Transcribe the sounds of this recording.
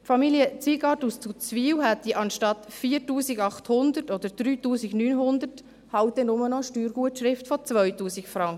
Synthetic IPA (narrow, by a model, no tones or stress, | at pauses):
fɑmiljət͡siːɡɑtust͡sut͡sviːwɦat̚diʔɑnʃtɑtfiːɾtuːsɪɡɑχthʊnd̪ətɔd̥̪əɾd̥ɾyːtuːsɪɡnyːnɦʊnd̪ət | haʊt̚dɛnʊmənɔʃtyːɾɡ̥uətʃɾɪftfɔt͡sʋœʏtuːsɪkfɾɑŋkə